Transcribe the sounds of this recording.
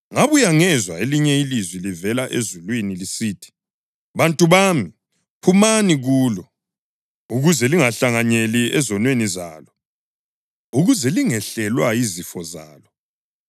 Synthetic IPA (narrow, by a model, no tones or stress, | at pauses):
ŋaβujaŋɛzwaeliɲɛilizwilivɛlaʔezulwinilisiːtʰi̥ | βantʼuβaːmi | pʰumaniɣuːlɔ | uɣuzɛliŋaɬaŋaɲeliɛzɔnweniza̰ːlɔ | uɣuzɛliŋɛɬɛlwaizifɔza̰ːlɔ